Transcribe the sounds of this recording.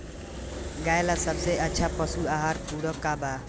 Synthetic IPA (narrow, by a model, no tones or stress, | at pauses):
ɡaːjelasəbseʔətːʃʰaːpəsuaːɦaːɾpuːɽokːaːbaː